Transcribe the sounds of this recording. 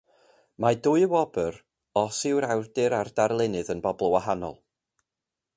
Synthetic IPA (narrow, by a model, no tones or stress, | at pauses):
madʊɨwɔbəɾ | ɔsɪwɾawrdɨɾardarlˠɪnɨðənbɔblˠwaɦanɔ̰lˠ